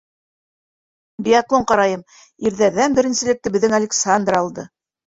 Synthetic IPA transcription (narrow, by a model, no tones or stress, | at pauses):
dʲiaklˠoɴqɑɾɑjɤm | iɾðæɾðænbɘ̆ɾɘ̆nsɘ̆lɘ̆k̚t̪ɘbɘ̆ðːɘŋalʲɪksand̪rɑlˠd̪ɤ